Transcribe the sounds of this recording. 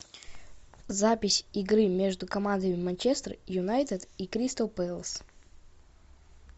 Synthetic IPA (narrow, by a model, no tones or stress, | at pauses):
zapʲɪsʲɪɡɾɨmʲe̞ʐd̪ʊkɐmand̪əmʲɪmɐnt͡ɕest̪rjʊnajt̪əd̪ikɾʲist̪əlˠpɛlˠs